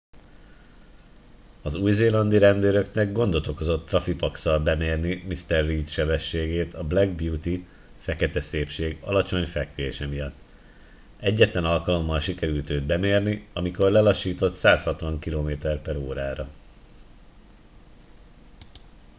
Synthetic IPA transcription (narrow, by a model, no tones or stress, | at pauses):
ɒzuːjzeːlɒnd̪iɾɛnd̪øːɾø̞knɛɡ̚ɡo̞nd̪o̞t̪o̞ko̞zo̞t̪ːrɒfipɒksɒlbɛmeːrnimist̪ɛrːiːt̪ʃɛbɛʃːeːɡeːt̪ʰɒblɛɡ̚bjuːt̪i | fɛkɛt̪ɛseːpʃeːɡɒ̰lɒt͡ʃo̞ɲfɛkʋeːʃɛmijɒt̪ː | ɛɟːɛt̪lɛnɒlkɒlo̞mːɒlʃikɛɾylt̪øːd̪̚bɛmeːrniɒmiko̞rlɛlɒʃːiːt̪o̞t̪saːshɒt̪ʋɒŋkiloːmeːt̪ɛrpɛɾoːɾaːɾɒ